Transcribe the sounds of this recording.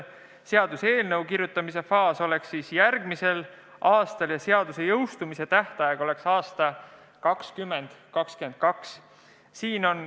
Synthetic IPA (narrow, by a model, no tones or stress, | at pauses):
se̞ɑd̪̥use̞ːlnɤwkirɾjut̪ːˑɑmise̞fɑːso̞le̞ksːiːsjærɡ̥mise̞l | ʔɑːst̪ɑljɑse̞ɑd̪̥use̞jɤwst̪umise̞t̪æht̪ɑjeɡ̥o̞le̞ksɑːst̪ɑ | kɑkskymːe̞nd̪̥kɑkskye̞nd̪̥̚kɑks | siːno̞n